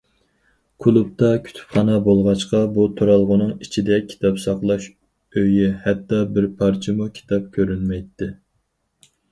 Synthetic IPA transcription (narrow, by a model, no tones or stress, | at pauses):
kʰulˠup̚t̪ʰɑkʲʰy̥t̪ʰy̥pχɑnɑbolˠʁɑt͡ʃqɑbut̪ʰuɾɑlˠʁʊnɨŋit͡ʃʰid̪ɛkʲʰi̥t̪ʰɑpsɑqlˠɑʃ | øjihɛt̪ːɑbɪɾpʰɑɾt͡ʃʰimukʲʰi̥t̪ʰɑp̚kʲʰøɾynmɛjt̪ʰːɪ